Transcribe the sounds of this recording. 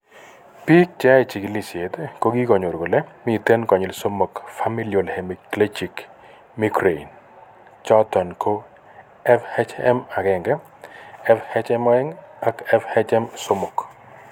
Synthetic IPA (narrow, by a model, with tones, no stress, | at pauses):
pi˦k̚t͡ʃa˦e˨t͡ʃi˨ki˨li˨sje˨t̪eko˦ɡi˦kɔ˨ɲo˨ɾɡo˨lɛ˦mi˦˨t̪e˦nkɔ˨ɲɪ˨lso˦mo˨kfa˦mi˦lio˨lhe˨mi˨kle˦t͡ʃi˨k | mi˦kɾe˨ḭ˨n | t͡ʃɔ˦t̪ɔ˨nkʰo˦ | ɛ˦fhɛ˦t͡ʃɛ̰˦ma˨ɡɛ˨ŋɡɛ˦ | ɛfhɛ˦t͡ʃɛ˦mɔ˦ɛ˦ŋa˦kɛ˦fhɛ˦t͡ʃɛ˦mso˦mo˨k